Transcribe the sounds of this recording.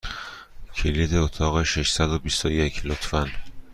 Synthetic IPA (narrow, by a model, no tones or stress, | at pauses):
cʰeliːd̪eot̪ʰɒːɣeʃeʃsæd̪obist̪ojecʰlot̪ʰfæn